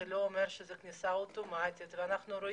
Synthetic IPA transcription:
lo̞ːmeɾʃezɛknʲisaot̪omat̪ʲit̪veanaχnuɾo̞

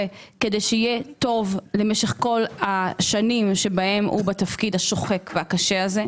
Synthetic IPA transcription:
ekedejʃeijet̪o̞vlemeʃeχko̞lhaʃanimʃe̞bahe̞mʔṵbat̪afkidhaʃo̞χekveakaʃeaze̞

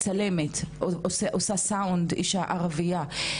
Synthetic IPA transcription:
t͡sale̞met̪ooseʔosasaundḭʃaʔaʁavia

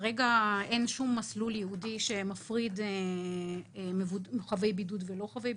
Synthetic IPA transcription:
ʁeɡae̞nʃumːasluljehudiʃe̞mafʁid̪ | mevuχave̞jbidud̪velo̞χavej

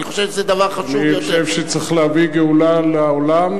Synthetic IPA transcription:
niχoʃevʃzed̪ɐvaʁχaʃnioʃevʃet͡sʁiχleaviɡeulaleolam

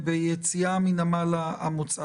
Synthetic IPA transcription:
bejet͡siaminamalaːmut͡sa

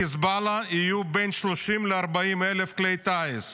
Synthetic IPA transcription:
izbalaijubenʃloʃimleaʁbaimelefklejt̪aes

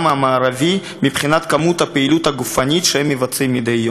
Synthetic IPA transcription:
mamaːɾavi | mibχinat̪kamut̪hapeilut̪haɡufanʲit̪ʃehɛmːivat͡simːid̪ejːo

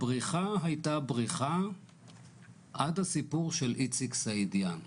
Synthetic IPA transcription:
bʁiχaɦajtabʁiχa | ʔadhasipuʁʃelʔit͡siksaidja

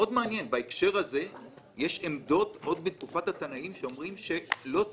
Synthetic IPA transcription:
o̞dmeanjenbaekʃe̞ʁhaze̞ | jeʃemd̪o̞tʔo̞d̪̚bet̪̚kufathat̪anaimʃeo̞mʁimʃe̞lo̞

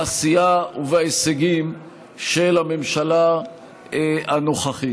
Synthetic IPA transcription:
asijauvaeseɡim | ʃelamemʃala | eanoχaχi

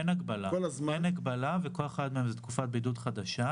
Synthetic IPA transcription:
enaɡbalaolazmaenaɡbalaveko̞leχadmeemzet̪kufat̚bidudχadaʃa

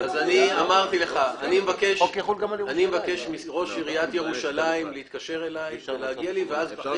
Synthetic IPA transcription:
azaniamaʁt̪ileχaːnimevakeʃulɡamanimevake̞ʃmiʁo̞ʃiʁiat̪jeʁuʃalaimleit̪̚kaʃe̞ʁe̞lajveleaɡialiveaz

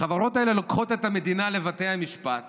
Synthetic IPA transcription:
χavaʁo̞taele̞lokχo̞t̪et̪hame̞d̪inale̞vat̪e̞jhamiʃpat

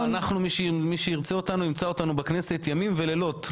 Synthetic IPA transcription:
anaχnumiʃemiʃeiʁt͡seo̞tanuimt͡sao̞tanubakne̞se̞tjamimvelelo̞t

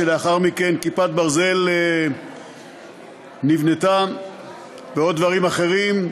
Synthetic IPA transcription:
eleaχaʁmike̞nkipat̪̚baʁze̞le | nivnet̪am | veo̞d̪̚ːvaʁimaχe̞ʁim

